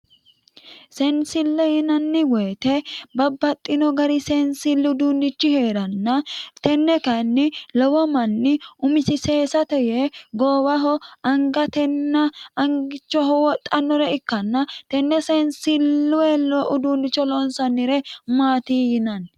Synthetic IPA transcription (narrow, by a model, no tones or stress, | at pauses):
sɛnsɪlːɛjɪnɐnːɪwɛjt̪ɛbɐbːɐt̪ʼːɪnɔɡɐɾɪsɛnsɪlːɪʊd̪uːnːɪt͡ʃːɪhe̞ːɾɐnːɐt̪ɛnːɛkɐnːɪlɔwɔmɐnːɪʊmɪsɪseːsɐt̪ɛjɛɡoːwɐɦɔɐŋɡɐt̪ɛnːɐɐŋɡɪt͡ʃːɔɦɔwɔt̪ʼːɐnːɔɾɛɪkːɐnːɐt̪ɛnːɛsɛnsɪlːʊwɛlɔʔʊd̪uːnɪt͡ʃːɔlɔnsɐnːɪɾɛmaːt̪iːjɪnɐn